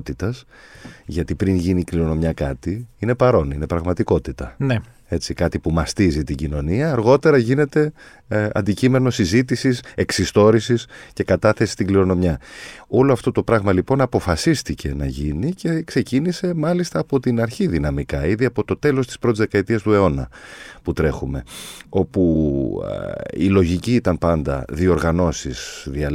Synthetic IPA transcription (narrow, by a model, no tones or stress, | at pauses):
t̪it̪ɐs | ʝɐt̪ipɾinʝinikliɾo̞no̞mɲɐkɐ̰t̪iine̞pɐɾo̞nine̞pɾɐɣmɐt̪iko̞t̪it̪ɐn | e̞t͡sikɐt̪ipumɐst̪izit̪iɟino̞niɐːɾɣo̞t̪e̞ɾɐʝine̞t̪e̞ | ɐ̰nd̪icime̞no̞sizit̪̬isise̞ksist̪o̞ɾisisce̞kɐt̪ɐθe̞si̥st̪iɡliɾo̞no̞mɲɐo̞lo̞ɐft̪o̞t̪o̞pɾɐɣmɐlipo̞nɐpo̞fɐsist̪ice̞̰nɐ̰ʝinice̞kse̞cinise̞mɐlist̪ɐːpo̞t̪inɐɾçiðinɐmikɐiðiɐpo̞t̪o̞t̪e̞lo̞st̪ispɾot̪izðekɐet̪iɐst̪ue̞o̞nɐ̰put̪ɾe̞xume̞o̞pṵ | ḭlo̞ʝiciːt̪ɐnpɐnd̪ɐ̰ðio̞ɾɣɐno̞sisðiɐ